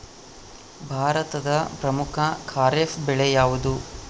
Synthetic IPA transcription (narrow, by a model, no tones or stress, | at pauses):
bʱaːɾɐt̪ɐd̪ɐpɾɐmukʰɐkʰaːɾefbɛɭɛjaːʋud̪u